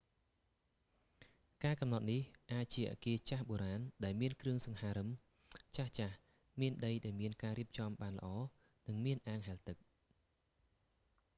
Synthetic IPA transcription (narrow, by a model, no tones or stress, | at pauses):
kaːkɑmnɑt̪̚nihʔaːc̚t͡ɕiəʔa̰ːkiət͡ɕahɓoːɾaːnɗaɛlmiənkrɨəŋsɑŋhaːɾɨm | t͡ɕaht͡ɕah | miənɗəjɗaɛlmiənkaːɾiəp̚t͡ɕɑmɓaːnlə̰̆ʔɑː | nɨŋmiənʔaːŋɦaɛlt̪ɨk̚